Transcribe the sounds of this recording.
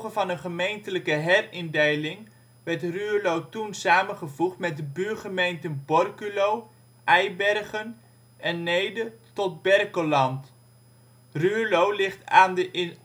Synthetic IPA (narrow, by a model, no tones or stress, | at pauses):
χəvɑnənχəmejntələkəɦɛrɪndejlɪŋ | ʋɛɹtryːlowtunsaːmənχəvuχtmɛdəbyːχəmejntənbɔrkylow | ʔɛjbɛrχən | ʔɛnːejdətɔd̚bɛrkəlɑnt | rylowlɪχtaːndə